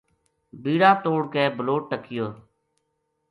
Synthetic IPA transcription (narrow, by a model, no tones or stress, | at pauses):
biːɽaːt̪oːɽkeːbəloːʈ̚ːəkʰɪjoː